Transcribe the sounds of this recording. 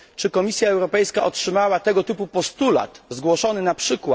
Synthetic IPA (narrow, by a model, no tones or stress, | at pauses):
t͡ʂɘkɔmʲisʲjaɛwɾɔpɛjskaʔɔtʂɘmawat̪ɛɡɔt̪ɘpupɔst̪ula̰t̪zɡwɔʂɔnɘnapʂɘkwa